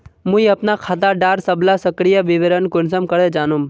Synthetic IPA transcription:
mũiɐpnakʰaːt̪̬aɖaːɾsɐblasəkɾijaʋɪʋeɾənkʊnsəmkəɾed͡ʒaːnum

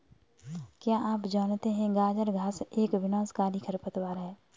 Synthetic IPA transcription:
kjaːʔaːpd͡ʒaːnt̪eɦɛ̃ɡaːd͡ʒəɾɡʱaːseːkʋɪnaːskaːɾikʰɐɾpət̪waːɾɦɛː

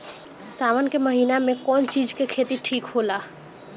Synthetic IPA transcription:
saːmənkeməɦiːnamẽkɔːnt͡ʃiːd͡ʒkekʰeːt̪iʈʰiːkɦoːlaː

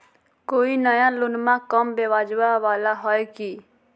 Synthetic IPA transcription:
koːinəjãlʊnmãkəmbeʋaːd͡ʒʋaʋaːlaɦɔeki

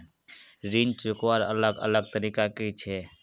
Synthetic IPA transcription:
ɾiːnt͡ʃʊkwaɾə̰ləɡə̰ləɡ̚t̪əɾiːkakit͡ʃʰeː

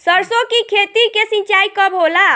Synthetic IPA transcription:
səɾsokikʰet̪ikesĩnt͡ʃaikəbɦola

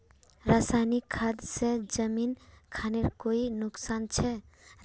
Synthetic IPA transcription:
ɾasajnikʰːad̪sed͡ʒəminkʰaneɾkoinʊksant͡ʃʰɛ

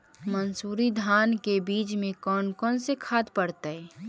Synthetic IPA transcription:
mənsuːɾid̪ʱaːnkebiːt͡ʃmẽkɔːnkɔːnsekʰaːd̪pəɽt̪əɛ

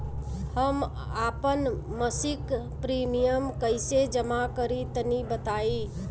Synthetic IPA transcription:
həm | apənməsik | pɾimijəmkəɪsed͡ʒəmakəɾit̪ənibət̪ai

